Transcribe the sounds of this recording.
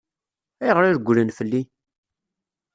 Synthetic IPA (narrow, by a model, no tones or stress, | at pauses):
æjʁəɾiɾɡʷːlənfəlːi